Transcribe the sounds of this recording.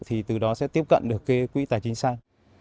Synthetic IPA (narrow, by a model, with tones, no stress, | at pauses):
t̪ʰi˨˩t̪ɨ˨˩ɗɔ˨˦sɛ̰˧˥t̪i˦˥əp̚kə̰˧˨nɗɨ˨˩əkːe˨˦kːwḭ˧˥t̪aː˨˩t͡ɕï˨˦ŋsaː˧ŋ